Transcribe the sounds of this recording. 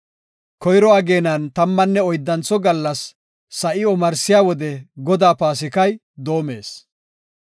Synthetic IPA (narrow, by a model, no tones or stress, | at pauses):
kɔjɾɔɐɡe̞ːnɐnt̪ɐmːɐnːɛɔjd̪ːɐnt͡sɔɡɐlːɐsː | ɐʔɪɔmɐɾsɪjaːwɔd̪ɛɡɔd̪aːpaːs̬ɪkɐj | d̪oːme̞̰ːs